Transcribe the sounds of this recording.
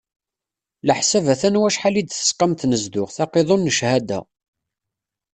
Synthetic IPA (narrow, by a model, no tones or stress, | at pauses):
ləħsævæθænwæʃħalid̪θə̥sqɑmt̪nəzd̪ʊqθɑqeðˤonːəʃhæd̪æ̰